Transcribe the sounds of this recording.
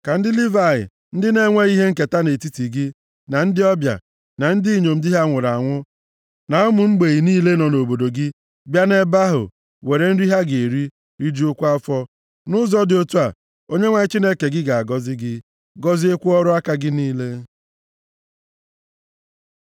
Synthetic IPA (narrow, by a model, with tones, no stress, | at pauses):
ka˨n̩˦dɪ˦li˦va˨ɪ̰˨ | n̩˦dɪ˦ne˦ŋʷe˦i˦ɦe˦ŋ̩˦ke˨ta˦ne˨ti˦ti˨ɡɪ˦ | na˨n̩˦dɪ˦ɔ˦bja̰˨ | na˨n̩˦di˦ɲo˨m̩˦di˦ɦa˦˨ŋʷʊ˨ɾa˨ŋʷʊ˦ | na˨ʊ˦mʊ˨ŋ͡m̩˦ɡ͡be˨ɣi˨niː˦le˦nɔ˨no˨bo˨do˨ɡɪ˦ | bja˦ne˦ba˦ɦʊ̰˨ | we˨ɾe˨n̩˦ɾi˦ɦa˦ɡe˨ɾi˦ | ɾi˦d͡ʒi˦ʊ˦kʷa˦fɔ˦ | nʊ˦zɔ˦dɪ˨o˦tu˦a˨ | o˦ɲe˦ŋʷa˨ɲɪ˦t͡ʃi˦ne˦ke˨ɡɪ˦ɡa˨a˨ɡɔ˦zɪ˦ɡɪ˦ | ɡɔ˦zi˦e˦kʷu˦ɔ˦ɾʊ˦a˦ka˦ɡɪ˦niː˦le˦